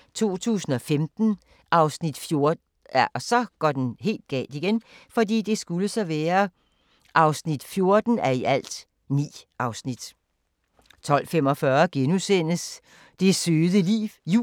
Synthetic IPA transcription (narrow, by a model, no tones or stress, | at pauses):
t͡sʰo̝̰ːt͡sʰṵːsn̩ɒ̽femd̥n̩ | ʔɑ̈ʊsnid̥fjo̝ɐ | ɒsɒ̽ɡ̥ɒd̥enɦe̝̰ːld̥̚ɡ̥ɛ̰ːld̥iɡ̥enfɒ̽dḭːd̥e̝sɡ̥uləsɒ̽ʋæːɐ | ʔɑ̈ʊsnid̥fjo̝ɐd̥n̩æɐiʔæl̰d̥ | nḭːʔɑ̈ʊsnid̥ | t͡sʰɒ̽l̰fem̰ɒ̽fɶɐɡ̥enusen̰əs | d̥e̝søːðˠəlḭːʋjṵː